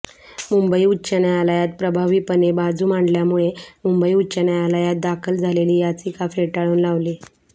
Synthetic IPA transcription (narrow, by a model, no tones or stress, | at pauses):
mumbəiːutːɕənjaalajat̪̚pɾəbʱaʋiːpənebad͡zʱuːmaɳɖljamuɭemumbəiːutːt͡ɕənjaalajat̪̚d̪akʰəld͡zʱaleliːjat͡siːkafeʈaɭuːnlaʋli